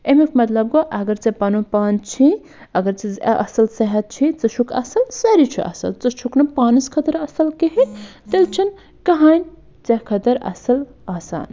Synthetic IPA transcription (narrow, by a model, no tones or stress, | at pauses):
emikmɐt̪lɐb̚ɡoʔɐɡɐɾt͡sɐpɐnupaːnt͡ʃʰi | ɐɡɐɾt͡seʔɐ̰sɐlsɐɦɐt̪̚t͡ʃʰit͡sɐt͡ʃʰukʰɐ̰sɐlsɐɾit͡ʃʰḭʔɐ̰sɐ̰lt͡sɐt͡ʃʰuknɐpaːnɨskʰɐt̪ɐɾɐsɐlkeɦet̪elt͡ʃʰɐn | kɐɦaːnʲ | t͡sɐkʰɐt̪ɐɾɐ̰sɐl | aːsa̰ːn